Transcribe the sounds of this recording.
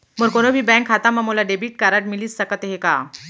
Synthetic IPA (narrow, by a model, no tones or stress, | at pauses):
məɾkoɽ̃obʱiːbɛ̃ŋkɦat̪amamolaɖebiʈ̚kaɾaʈmiliːt͡sːəkət̪eɦeka̰